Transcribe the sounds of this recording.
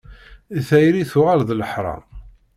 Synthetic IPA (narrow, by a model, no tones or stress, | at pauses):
iθæjɾiθʊʁalðləħɾˤɑ̰